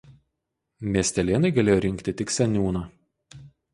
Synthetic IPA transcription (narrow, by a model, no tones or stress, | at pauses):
mʲiɛsʲt̪ʲɛlʲeːnɐɪɡɐlʲeːjoːɾʲɪŋʲkt̪ʲɪt̪ʲɪksʲɛnʲuːnɑː